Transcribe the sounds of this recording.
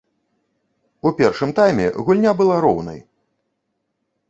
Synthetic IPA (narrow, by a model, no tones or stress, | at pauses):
upʲɛrʂɨmt̪ajmʲɛ̰ɣulʲnʲabɨlˠaɾɔwn̪ɐ̰j